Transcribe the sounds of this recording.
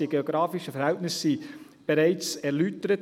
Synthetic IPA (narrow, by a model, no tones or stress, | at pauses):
iəɡ̥eoɡɾɑːfɪʃəfɛɾhɛltnɪsːi | b̥eɾaɪt͡sɛɾlytəɾət